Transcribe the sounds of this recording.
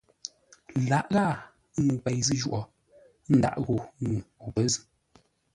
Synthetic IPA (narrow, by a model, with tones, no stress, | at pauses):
la˨˦ʔɣa˦˨˦ | ŋ˨k͡pɛ˨jzɨ˦ʒu˦ʔɔ˨˦ | n̩˦da̰˨ʔɣo˨˦ŋu˨ɔ˨pə˨˦zɨ˨